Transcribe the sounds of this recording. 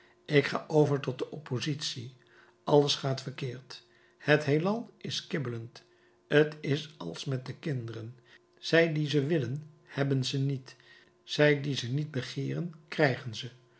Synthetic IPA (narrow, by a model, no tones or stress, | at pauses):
ɪkχa̰ːʔowvəɹtɔt̚dəʔɔpozitsi | ʔɑləsχaːtfərkɪːɹt | hətɦelɑlˠɪskɪbələnt | ətɪsɑ̰lˠsmɛt̚dəkɪndərən | z̥ɛjdizəʋɪlən | hɛbənzənit | z̥ɛjdizənid̚bəχɪːrənkrɛjχənzə